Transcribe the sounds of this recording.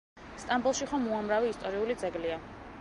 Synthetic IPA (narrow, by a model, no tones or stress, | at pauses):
st̪ʼambulˠʃiχɔmːuamɾaviːst̪ʼɔɾiulid̪zɛɡlia